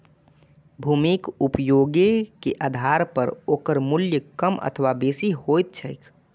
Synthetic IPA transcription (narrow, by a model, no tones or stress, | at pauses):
bʱuːmikupjoːɡekeʔad̪ʱaɾpəɾoːkəɾmʊljəkəmʔə̰t̪ʰəʋabeːsihojt̪̚t͡ʃʰəjkʰ